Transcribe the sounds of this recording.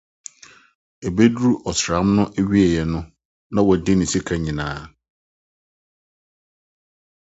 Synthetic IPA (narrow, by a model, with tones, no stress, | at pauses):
e˨be˦du˦ɾu˦ʔɔ˨sɾa˨˦mnʊ̃˦ʔæ˦ɥi˦ɛ˨jɛ˨nʊ̃˦ | nã˦wɔ˨dɪ˦nɪ̃˨si˦kʰa˨ɲĩ˨nãː˨˦